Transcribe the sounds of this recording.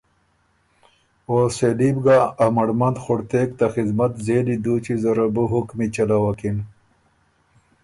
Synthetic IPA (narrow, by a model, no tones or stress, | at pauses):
oselibɡaːmɐɽmɐnd̪xoɽt̪eːk̚t̪axid̪mɐt̪zeːlid̪uːt͡ɕizɐɾɐbuɦukmit͡ɕɐlawɐkin